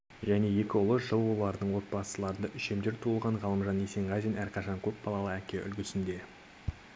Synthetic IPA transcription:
ʒæne̞je̞kʲɪʊlˠəʒəlˠwolˠɑɾd̪əɴwo̞t̪̚bɑsəlˠɑɾənd̪ɑʔʏʃe̞md̪e̞ɾt̪ʰuəlˠʁɑɴʁɑlˠəmʒɑnese̞ɴʁɑjd̪enæɾqʰɑʃɑŋkʲʰɵp̚bɑlˠɑlˠəækʲe̞ʔʏ̰lɡʲɪsɪnd̪e̞

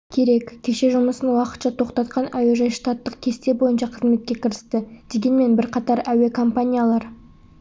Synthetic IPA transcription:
kʲʰe̞ɾe̞kkʲʰːe̞ʃe̞ʒʊməsənwɑqət̪ʃɑt̪ʰo̞qt̪ɑt̪qɑnæweʒɑjʃt̪at̪ːəq̚kʲʰe̞st̪e̞bo̞jənʃɑqʰəzme̞t̪̚kʲe̞kʲɪɾɪst̪ɪd̪̥e̞ɡʲe̞nme̞nbɪɾqʰɑt̪ɑɾæwe̞kʰo̞mpanʲijalˠɑɾ

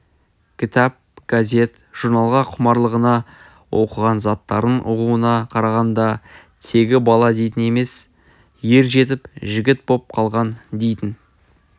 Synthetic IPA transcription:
kʲʰɪt̪ɑp̚ɡ̥azʲe̞t̪ | ʒ̥uɾnɑlˠʁɑqʰʊmɑɾlˠəʁənɑ | wo̞qəʁɑnzɑt̪ːɑɾənʊʁuənɑqʰɑɾɑʁɑnd̪ɑ | t̪ʰe̞ɡʲɪbɑlˠɑd̪e̞jt̪ɪne̞me̞s | je̞ɾʒe̞t̪̬ɪpʒɪɡʲɪt̪̚bo̞p̚qʰɑlˠʁɑnd̪e̞jt̪ɪn

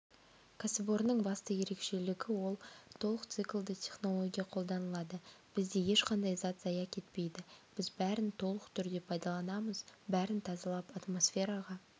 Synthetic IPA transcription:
kʰasɪbo̞ɾnəɴbɑst̪əje̞ɾe̞kʃe̞lɪɡʲɪwo̞lˠt̪ʰo̞lˠəqt̪sɨklˠd̪ɪt̪ʲʰe̞χno̞lˠo̞ɡʲijɑqʰo̞lˠd̪ɑnəlˠɑd̪əb̥ɪzd̪e̞je̞ʃqɑnd̪ɑjzɑt̪zɑjɑkʲʰe̞t̪̚pe̞jd̪ɪb̥ɪzbæɾɪnt̪ʰo̞lˠəqt̪ʰʏɾd̪e̞pʰɑjd̪ɑlˠɑnɑməzbæɾɪnt̪ʰɑzɑlˠɑpat̪mo̞sfʲe̞ɾɑʁɑ

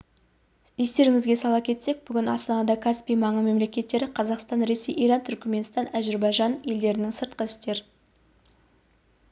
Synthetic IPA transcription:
e̞st̪e̞ɾɪŋɪzɡʲe̞sɑlˠɑp̚kʲʰe̞t̪se̞k̚bʏɡʲɪnɑ̰st̪ɑnɑd̪ɑkʰaspijmɑɴəme̞mle̞kʲe̞t̪ːe̞ɾɪqʰɑzɑqst̪ɑnɾe̞sijʔijɾɑnt̪ʰʏɾkʲme̞nst̪ɑnæʒeɾbɑjʒɑne̞ld̪e̞ɾɪnɪŋsəɾt̪̚qəɪst̪e̞ɾ

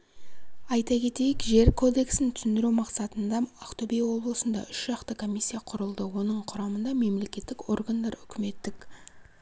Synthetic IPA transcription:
ɑjt̪ɑkʲʰe̞t̪e̞jɪkʒe̞ɾkʰo̞d̪e̞ksɪnt̪ʰʏ̥sɪnd̪ɪɾumɑqsɑt̪ənd̪ɑɑqt̪obejwo̞blˠəsənd̪ɑ̰ʏʃʒ̥ɑqt̪əkʰo̞mʲisʲːijaqʰʊɾəlˠd̪əwo̞nəɴqʰʊɾɑmənd̪ɑme̞mle̞kʲe̞t̪ːɪko̞̰rɡand̪ɑɾʏkʲʰɪme̞t̪ːɪk

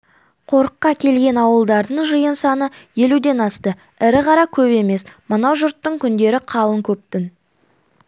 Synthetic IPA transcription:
qʰo̞ɾəqːɑkʲʰe̞lɡʲe̞nɑwəlˠd̪ɑɾd̪əɴʒəjənsɑnəje̞lud̪e̞nɑst̪ə | ɪɾɪqɑɾɑkʲʰɵβe̞me̞smənɑwʒʊɾt̪ːəɴkʲʰʏnd̪e̞ɾɪqʰɑlˠəŋkʲʰɵp̚t̪ɪn

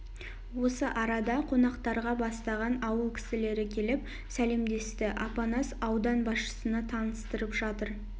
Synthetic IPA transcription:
wo̞səʔɑɾɑd̪ɑqʰo̞nɑqt̪ɑɾʁɑbɑst̪ɑʁɑnɑwəlˠkʲʰɪ̥sɪle̞ɾɪkʲʰe̞lɪp̚ | sæle̞md̪e̞st̪ɪʔɑpɑnɑsɑwd̪ɑnbɑsʃə̥sənɑt̪ʰɑnəst̪əɾəpʒɑt̪əɾ

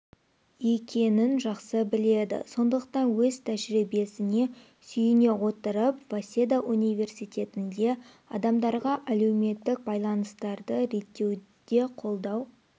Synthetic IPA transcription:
je̞kʲe̞nɪnʒɑqsəbɪle̞d̪ɪ̰so̞nd̪əqt̪ɑnwɵzt̪ʰæʒɾibe̞sɪne̞ | sʏjɪne̞wo̞t̪əɾəpv̥asʲe̞d̪aʔunijve̞rsijt̪ʲe̞t̪ɪnd̪e̞ | ɑ̰d̪ɑmd̪ɑɾʁɑʔæle̞wme̞t̪ːɪk̚bɑjlˠɑnəst̪ɑɾd̪əɾe̞t̪ːe̞w | d̪̥e̞qʰo̞lˠd̪ɑw

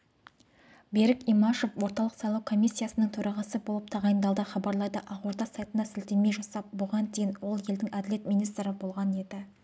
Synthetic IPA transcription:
be̞ɾɪkʲimɑʃo̞fwo̞ɾt̪ɑlˠəqsɑjlˠɑwkʰo̞mʲisʲːijasənəŋt̪ʰɵɾʔɑʁɑsəbolˠəp̚t̪ʰɑʁɑjənd̪ɑlˠd̪əχɑbɑɾlˠɑjd̪əʔɑqwoɾd̪ɑsɑjt̪ənɑsɪlt̪e̞me̞jʒɑsɑp̚bʊʁɑnd̪ejɪnwo̞lˠje̞ld̪ɪŋæd̪ɪle̞t̪mijnijst̪ɾəbo̞lˠʁɑne̞d̪ɪ

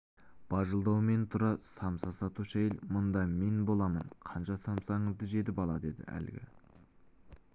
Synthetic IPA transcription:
b̥ɑʒəlˠd̪ɑwme̞nt̪ʰʊɾɑsɑmsɑsɑt̪uʃæjɪlmʊnd̪ɑme̞nbo̞lˠɑmənqʰɑnʃɑsɑmsɑɴəzd̪əʒe̞t̪̬ɪpɑlˠɑd̪e̞d̪ɪ̰æ̰lɡʲɪ̰

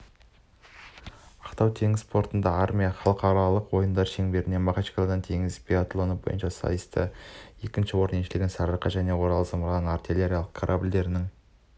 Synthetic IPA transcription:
ɑqt̪ɑwt̪ʰe̞ŋɪzspʰo̞ɾt̪ənd̪ɑaɾmʲijɑχɑlˠəqɑɾɑlˠəqwo̞jənd̪ɑɾʃe̞ŋbe̞ɾɪne̞mɑqat͡ʃkolad̪ɑnt̪ʰe̞ŋɪzpʰʲeat̪lˠonəbo̞jənʃɑsɑ̰jəst̪ə̰je̞kʲɪnʃɪwo̞ɾneʃɪlɪɡʲɪnsɑɾəɾqɑʒæne̞wo̞ɾɑlˠəsəməɾnənart̪ʲilʲeɾʲijalˠəq̚kʰaɾʔabʲɪlʲd̪e̞ɾɪnɪŋ

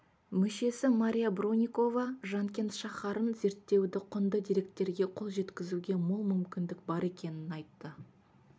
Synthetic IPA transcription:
mʏʃe̞sɪmaɾʲijabɾonʲijko̞vɑʒɑŋkʲe̞nt̪ʃɑχɑɾənze̞ɾt̪ːe̞wd̪ɪqʰʊnd̪əd̪iɾe̞k̚t̪ːe̞ɾɡʲe̞qʰo̞lˠʒe̞t̪kʲɪzuɡʲe̞molˠmʏmkʲɪnd̪ɪk̚bɑɾe̞kʲe̞nɪnɑjt̪ːə

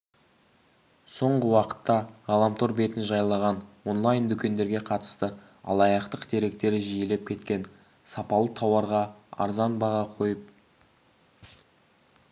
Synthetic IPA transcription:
so̞ɴʁəwɑqə̥t̪ːɑʁɑlˠɑmt̪ʰo̞ɾbe̞t̪ɪnʒɑjlˠɑʁɑnwo̞nlˠɑjnd̪ʏkʲe̞nd̪e̞ɾɡʲe̞qʰɑt̪ə̥st̪ə | ɑ̰lˠɑjɑqt̪əqd̪e̞ɾe̞k̚t̪e̞ɾɪʒije̞le̞p̚kʲʰe̞t̪kʲe̞n | sɑpɑlˠət̪ʰɑwɑɾʁɑɑ̰ɾzɑnbɑʁɑqʰo̞jəp̚

